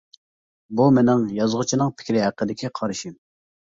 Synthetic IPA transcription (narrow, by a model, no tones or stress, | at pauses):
bumɪnɪŋjɑzʁʊt͡ʃʰinɨŋpʰɪ̥kʲɾɪɦæqːəd̪ɪkʲʰiqʰɑɾɨʃim